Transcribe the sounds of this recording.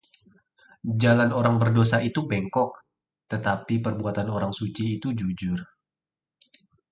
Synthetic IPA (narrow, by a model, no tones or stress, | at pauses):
d͡ʒalanoɾaŋbərdosait̪ubɛŋkɔk̚ | t̪ət̪apipərbuat̪anoɾaŋsut͡ʃiːt̪ud͡ʒud͡ʒʊr